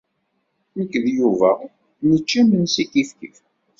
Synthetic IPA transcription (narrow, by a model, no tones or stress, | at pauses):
nəkːðjuvæ | nət͡ʃːæmənsikifkḭf